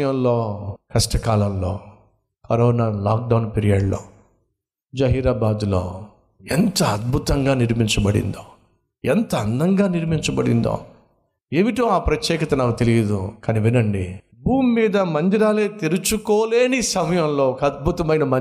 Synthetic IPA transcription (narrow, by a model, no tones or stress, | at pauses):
jɐmlo̞ːkɐsʈɐkaːlɐmlo̞̰ː | kɐɾɔːnaːlaːk̚ɖɐwnpeɾijɐːɖlo̰ː | d͡ʒɐɦiːɾaːbaːd̪ulo̰ː | ent̪ɐɐd̪̚bʱut̪ɐŋɡaːniɾmiɲt͡ʃɐbɐɽḭnd̪oː | ɛnt̪ɐɐnd̪ɐŋɡaːniɾmiɲt͡ʃɐbɐɽḭnd̪o̰ː | eːʋiʈoːaːpɾɐt̪jɛːkɐt̪ɐnaːkut̪elijɐd̪ukɐniʋinɐɳɖi | buːmːiːd̪ɐmɐnd̪iɾaːleːt̪iɾut͡ʃukoːle̞ːnisɐmɐjɐmloːkɐd̪̚bʱut̪ɐmɐjnɐmɐ